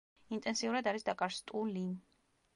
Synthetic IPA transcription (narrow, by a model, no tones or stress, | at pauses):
int̪ʼɛnsiuɾad̪aɾisd̪akʼaɾst̪ʼulin